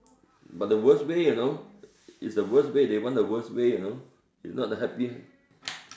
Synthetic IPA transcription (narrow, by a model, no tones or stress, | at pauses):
bat̚dəwəswejuno | isdəwəswedewɔ̃ndəwəswejuno | ḭsnɔt̚əɦɛpiə̃